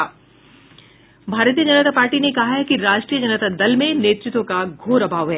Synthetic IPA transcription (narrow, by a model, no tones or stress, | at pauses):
bʱaːɾt̪̬ijəd͡ʒɐnət̪apaːɾʈinekɐɦaɦɛkiɾaːʃʈɾijəd͡ʒɐnət̪ad̪ɐlmẽneːt̪ɾɪt̪wõkaɡʱoːɾɐbʱaːʋɦɛː